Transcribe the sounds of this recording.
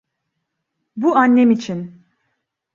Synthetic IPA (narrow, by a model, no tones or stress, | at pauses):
buanːɛmit͡ʃʰin